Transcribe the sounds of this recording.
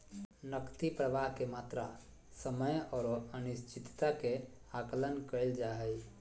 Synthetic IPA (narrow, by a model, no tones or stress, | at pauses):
nəkt̪ipɾəʋaɦkemat̪ɾa̰ | səməjɔːɾənist͡ʃit̪t̪akeakələnkəld͡ʒaɦəj